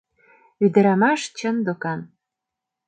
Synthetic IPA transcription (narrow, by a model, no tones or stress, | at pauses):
yd̪ə̆ɾɑmɑʃt͡ɕə̆nd̪okɑn